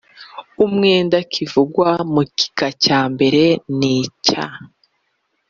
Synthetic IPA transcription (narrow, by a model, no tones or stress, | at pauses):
umŋe̞ːndakʰivuɡwamuki̥kacaːmbe̞ɾe̞niːca̰